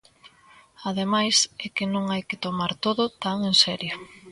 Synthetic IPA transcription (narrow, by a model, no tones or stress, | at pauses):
aðemajsɛkɪnõŋajkɪt̪omaɾt̪oðʊt̪aŋensɛɾjo